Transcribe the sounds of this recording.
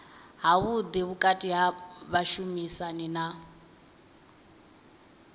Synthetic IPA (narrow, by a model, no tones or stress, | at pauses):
ɦaβud̪iβukʼatʼiɦaβaʃumisanina